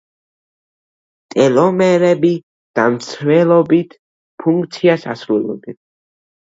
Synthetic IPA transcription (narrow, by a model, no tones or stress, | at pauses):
t̪ʼɛlɔmɛɾɛbi | d̪̥amt̪sʰvɛlˠɔbit̪ʰ | pʰuŋk̚ʰʼt̪sʰiasasɾulˠɔ̰d̪ɛn